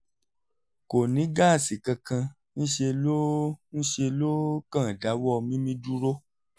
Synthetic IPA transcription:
ko˨nĩ˨˦ɡa˦˨si˨kã˧kã˧ | n̩˦ʃe˧lo˦n̩˦ʃe˧lo˦kã˦˨da˨˦wɔ˦˧mĩ˦mĩ˦du˦ɾo˦

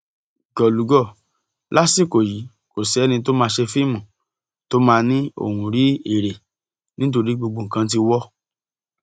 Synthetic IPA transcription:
ɡɔ˨lu˨˦ɡɔ˦˨ | lʔa˦si˦˨ko˨ji˨˦ | ko˨sɛ˨˦nĩ˧t̬o˦mãː˧ʃe˧fi˦˨mũ˨ | to˦mãː˧nĩ˦o̰˦˨hũ˧ɾi˦e˦˨ɾe˨ | nĩ˦t̬o˧ɾi˦ɡ͡bo˧ɡ͡bo˧˨ŋ̩˨kã˧˦t̬i˧wɔ˦

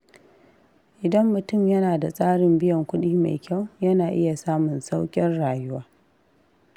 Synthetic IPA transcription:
ʔɪ˨dɐ˦mːʊ˨tʊ˦˨mjɐ˦naː˨da˨sʼaː˦ɽɪ˨mbɪ˦jɐ˨ŋkʷʊ˦ɗiː˦ma̰˨jkʲa˦˨wjɐ˦naː˨ʔɪ˦ja˨saː˦mʊ˨nsa˦wkʲʼɪ˦rɽaː˨jʊ˦waː˦

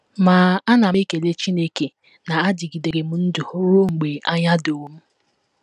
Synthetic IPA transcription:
maː˨a˦na˨mi˦ke˨le˦t͡ʃi˦ne˦ke˨ | na˨a˦di˨ɡi˨de˨ɾe˨m̩˦n̩˦du˨ho˦ɾo˦ŋ͡m̩˨ɡ͡be˨a˦ɲa˦do˨˦m̩˦

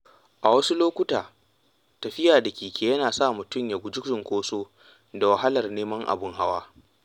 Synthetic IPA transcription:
ʔa˨wɐ˦su˦loː˦kʷʊ˦taː˨ | tɐ˨ɸɪ˦jaː˨da˨kʲiː˨kʲeː˨jɐ˦naː˨sa˦˨mʊ˨tʊ˦mja˨ɡʷʊ˦d͡ʒʊ˦kɪ˨ŋkʷoː˦soː˦ | da˨wa˨ɦa˦lɐ˨rneː˦mɐ˦ŋʔa̰˨bʊ˦ŋɦa˦waː˦

